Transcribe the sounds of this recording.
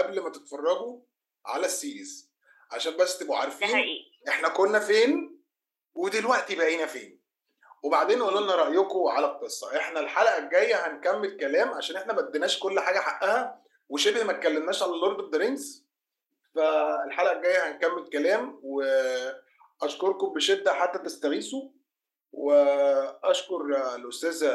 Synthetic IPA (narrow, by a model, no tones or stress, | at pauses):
ʔæblmæt̪et̪fɑrˤːɑɡu | ʕa̰læsːiːz | ʕaʃæːmbæsːt̪boʕa̰ɾˤfiːniː | ʔeħnækonːæfeːn | wed̪ilwæʔt̪ibæʔiːnæfeːn | webaʕd̪eːnʔulːoʔenæɾˤɑʔjokoʕalæq̚t̪esˤːɑ̰ʔeħnælħalʔæɡæjːæhænkæmːelkælæːmʕaʃæːnʔeħnæmæʔd̪ːenæːʃkolːħaːɡæħaʔæhæ | weʃebhmæt̪̚kːælːemnæːʃʕalæloɾˤd̪ed̪ːeɾens | fæelħalæʔæɡæjːæhænkæmːelkælæːmwe | ʔæʃkoɾˤkombeʃed̪ːæħat̪ːæt̪est̪æɣiːso | weʔæʃkoɾˤlʔost̪æːz